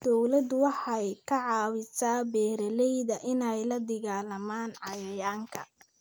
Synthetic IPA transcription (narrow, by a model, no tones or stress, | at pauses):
d̪̥ɔwlɐd̪ʊwɑħɑjkʰɐʕɑːwɪsaːbɛːɾɐlɛjðɐʔɪnɛjlɐd̪ɪɣaːlɐmaːnʕɑjɐjaːŋkʰɐ̰